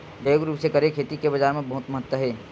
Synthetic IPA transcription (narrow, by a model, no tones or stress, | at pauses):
d͡ʒɐjoːɡɾuːpsekɐɾekʰːeːt̪ikebɐd͡ʒaːɾmẽbɐɦʊt̪mɐɦət̪wəɦɛː